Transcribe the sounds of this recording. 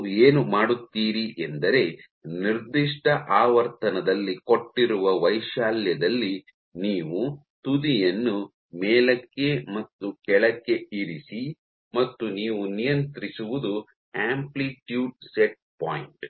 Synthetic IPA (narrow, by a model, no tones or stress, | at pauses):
eːnumaːɽut̪ːiːɾiʔend̪ɐɾe̞ | niɾd̪iʂʈɐʔaːʋɐɾt̪ɐnɐd̪ɐlːiko̞ʈːiɾuʋɐʋɐjʃaːljɐd̪ɐlːi | niːʋu | t̪ud̪ijɐnːu | mɛːlɐkːe̞mɐt̪ːukɛɭɐkːe̞iɾisi | mɐt̪ːuniːʋunijɐnt̪ɾisuʋud̪u | aːmpliʈjuːɖ̚seʈ̚paːjɳʈ